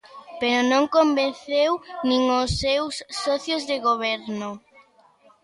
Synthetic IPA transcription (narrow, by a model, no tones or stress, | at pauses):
peɾonõŋkombẽnθewnĩŋosːewsːɔθjozðeɣoβ̞eɾnʊ